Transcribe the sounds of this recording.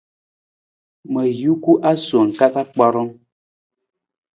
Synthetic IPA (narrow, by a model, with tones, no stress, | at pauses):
mə˨jju˦ku˦ʔa˦so˨ŋ̩˨ka˦ta˦k͡pɔ˦ɾɔ˦ŋ